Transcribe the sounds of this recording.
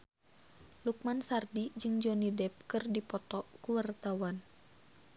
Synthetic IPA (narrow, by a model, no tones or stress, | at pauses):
luk̚mansardid͡ʒɨŋd͡ʒɔnidɛp̚kɨrdipɔt̪ɔkuwart̪awan